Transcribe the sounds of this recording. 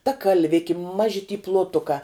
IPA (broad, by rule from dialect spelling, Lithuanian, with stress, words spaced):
tɐ kɐlʲˈʋʲɪkʲɪ ˈmɑːʒʲɪ tʲiː plˠoːˈtʊkɑː